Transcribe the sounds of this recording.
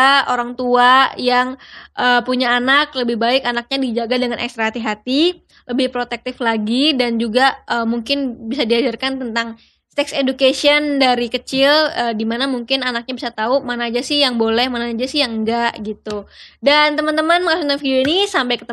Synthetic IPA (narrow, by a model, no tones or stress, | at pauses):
oɾaŋt̪uajaŋʔəːpuɲaːnakləbɪhbaɪkanak̚ɲadid͡ʒaɡadəŋanʔɛ̰kst̪ɾaɦat̪iɦat̪i | ləbɪhpɾot̪ɛk̚t̪ɪflaɡidand͡ʒuɡaəmuŋkɪnbisadiad͡ʒarkant̪ənt̪aŋ | sɛksedukesiəndaɾikət͡ʃɪləːdimanamuŋkɪnanak̚ɲabisat̪aumanaːd͡ʒasɪhjaŋbolɛhmanaːd͡ʒasɪjaŋɡaʔɡit̪udant̪əmant̪əmanməŋasuanfidioinisampajkət̪ə